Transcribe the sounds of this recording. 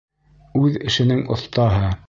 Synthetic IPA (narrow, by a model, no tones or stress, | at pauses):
ʉðɘ̆ʃɘ̆nɘŋŏ̰θt̪ɑɦɤ